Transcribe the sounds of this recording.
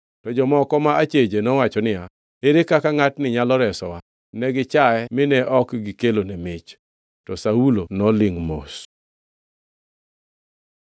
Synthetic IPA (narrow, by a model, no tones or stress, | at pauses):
tɔd͡ʒɔmɔkɔmaat͡ʃed͡ʒenɔwat͡ʃɔnɪja | eɾekakaŋatnɪɲalɔɾɛsɔwa | nɛɡɪt͡ʃaɛmɪnɛʔɔkɡɪkelonemɪt͡ʃ | tɔsaulonɔlɪŋmo̰s